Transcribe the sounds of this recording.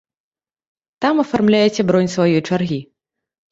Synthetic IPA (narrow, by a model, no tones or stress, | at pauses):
t̪amɐfarmlʲajɛt͡sʲɛbɾɔnʲsvajɔjt͡ʂarɣʲi